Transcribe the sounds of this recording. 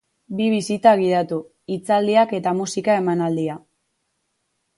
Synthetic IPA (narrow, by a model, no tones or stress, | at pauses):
biβisit̪aɣ̞iðat̪u | it͡sald̪iake̞t̪amusikae̞manald̪ia